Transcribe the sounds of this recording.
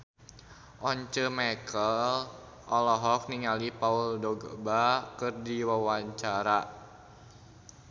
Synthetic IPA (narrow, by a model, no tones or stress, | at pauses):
ʔɔɲt͡ʃəmakəl | ʔɔlɔɦɔk̚niŋalipauldɔɡə̰bakɨrdiwawaɲt͡ʃaɾa